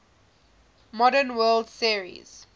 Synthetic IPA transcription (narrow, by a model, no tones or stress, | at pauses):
mɔɾənwɜːldsiəɹḭz̥